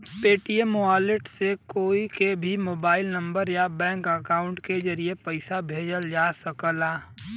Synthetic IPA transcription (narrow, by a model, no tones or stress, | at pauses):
peːʈiemoaːlɪʈsekoːikebʱimoːbaːɪlnɐ̃mbəɾjabɛ̃ːŋkəkaːʊ̃ɳʈked͡ʒɐɾiepəɪsabʱeːd͡ʒəld͡ʒaːsəkəlaː